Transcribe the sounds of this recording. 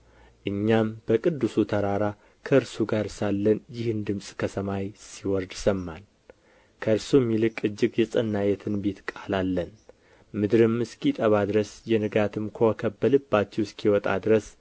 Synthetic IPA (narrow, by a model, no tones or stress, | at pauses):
ʔɨɲːambəkʼɨd̪ːusut̪ʰəɾaɾa | kʰəɨɾsuɡaɾsalːənjɪhɨnd̪ɨmsʼkʰəsəmajsiwɔɾd̪səmːan | kʰəɨɾsumːilɨkʼɨd͡ʒːɪɡjɛsʼənːajɛt̪ʰɨnbe̞t̪kʼalalːən | mɨd̪ɾɨmɨskit̪ʼəβad̪ɨɾəsjɛnɨɡat̪ʰɨmkʰokʰəbːəlɨbːat͡ʃːɛwskʰiwɔt̪ʼa̰d̪ɾəs